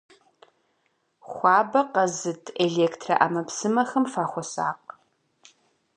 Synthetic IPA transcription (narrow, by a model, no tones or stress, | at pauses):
χʷɑːbɐqɐzɨtʰeɮeːkʰtʰrɐ̰ʔamɐpsɨmɐxɐmfaːχʷɔsa̰ːq